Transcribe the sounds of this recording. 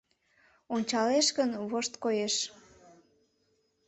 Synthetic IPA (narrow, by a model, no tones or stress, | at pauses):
onʲt͡ɕɑleʃɣənβoʃt̪kojeʃ